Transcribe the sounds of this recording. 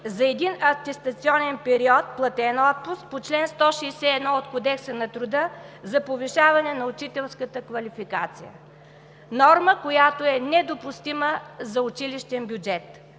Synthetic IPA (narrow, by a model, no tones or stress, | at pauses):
zɐɛd̪inɐft̪ɛst̪ɐt̪siɔnɛnpɛɾiɔt̪̚plˠɐt̪ɛnɔt̪̚pust̚pot͡ʃlɛnst̪ɔʃiːsɛːd̪nɔot̪kod̪ɛksənɐt̪ɾʊd̪əzɐpoviʃavɐnɛnɐʊt͡ʃit̪ɛlˠskət̪əkvɐlifika̰t̪sijə̰ | nɔɾməkojat̪oɛnɛd̪opʊst̪iməzɐʊt͡ʃiliʃt̪ɛnbʲjʊd͡ʒɛt̪